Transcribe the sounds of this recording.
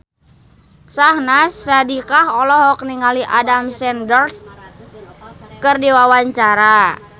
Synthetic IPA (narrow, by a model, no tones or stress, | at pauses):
sahnasadikahɔlɔɦɔk̚niŋaliʔadamsɛndɔrs | kɨrdiwawaɲt͡ʃaɾa